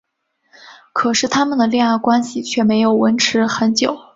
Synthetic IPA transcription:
kʰɤ˨˩ʂɻ̩˥˩t̪ʰa˥mə˨nd̪ə˩ljɛ˥˧ŋa˥˩kwa˥nɕi˨˩t͡ɕʰɥɛ˥˩me˧˥ɪjo˨˩ʊwə˧˥nʈ͡ʂʰɻ̩˧˥xə˧˥nt͡ɕjo˨˩˦ʊ

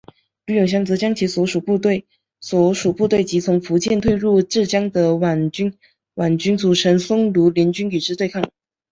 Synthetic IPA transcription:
ly˥˧˥jʊ˨˩ŋɕjɑ˥ŋt͡sɤ˧˥t͡ɕjɑ˥ŋt͡ɕʰi˧˥swɔ˧˥ʂu˨˩pu˥˧t̪ɪ | swɔ˧˥ʂu˨˩pu˥˧t̪we˥˩ɪt͡ɕi˧˥t͡sʰʊ˧˥ŋfu˧˥t͡ɕjɛ˥˧nt̪ʰwe˥˧ɪɻu˥˧ʈ͡ʂɻ̩˥˩t͡ɕjɑ˥ŋd̪ə˨wa˨˩nt͡ɕy˥n | wa˨˩nt͡ɕy˥nt͡su˨˩ʈ͡ʂʰə˧˥nsʊ˥ŋlu˧˥ljɛ˧˥nt͡ɕy˥ny˨˩ʈ͡ʂɻ̩˥t̪we˥˧ɪkʰɑ˥˩ŋ

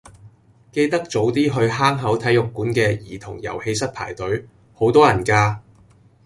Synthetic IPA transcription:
ke˧jt̪ɐ˥k̚t͡so˨˥wt̪iː˥ɦɵ˧ɥɦaː˥ŋɦɐ˨˥wt̪ʰɐ˨˥jʊ˨kːuː˨˥nkɛː˧jiː˨˩t̪ʰʊ˨˩ŋjɐ̰˨˩whe˧jsɐ˥t̚pʰa̰ː˨˩jt̪ɵ˨˥ɥ | ho˨˥wt̪ɔː˥jɐ˨˩nkaː˧

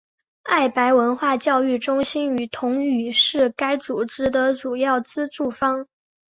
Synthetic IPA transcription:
a˥˩ɪpa˧˥ɪwə˧˥nxwa˥˧t͡ɕjɑ˥˧ʊy˥˩ʈ͡ʂʊ˥ŋɕi˥ny˨˩t̪ʰʊ˧˥ŋy˨˩ʂɻ̩˥˩ka˥ɪt͡su˨˩ʈ͡ʂɻ̩˥d̪ə˧t͡su˨˩jɑ˥˩ʊt͡sɹ̩˥ʈ͡ʂu˥˩fɑ˥ŋ

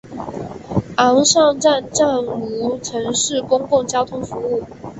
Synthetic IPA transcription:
ɑ˧˥ŋʂɑ˥˧ŋʈ͡ʂa˥˧nʈ͡ʂa˥˩nu˧˥ʈ͡ʂʰɤ˧˥ŋʂɻ̩˥˩kʊ˥ŋkʊ˥˩ŋt͡ɕjɑ˥ʊt̪ʰʊ˥ŋfu˧˥u˥˩

